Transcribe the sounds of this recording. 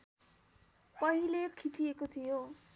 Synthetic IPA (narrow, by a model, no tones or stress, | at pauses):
pʌɦilekʰit͡siekot̪ʰijo